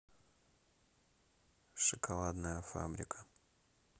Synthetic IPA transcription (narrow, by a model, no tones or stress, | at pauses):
ʂɨkʰɐlˠad̪nəjəfa̰bɾʲɪkʰə̥